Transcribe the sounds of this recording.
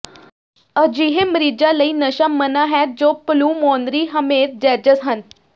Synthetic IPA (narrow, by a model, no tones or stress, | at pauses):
əd͡ʑiɦemɾid͡ʑaləiːnəɕamənaɦɛt̪̚d͡ʒopluːmond̪ɾiɦəmet̪̚d͡ʑɛɾd͡ʑəsɦən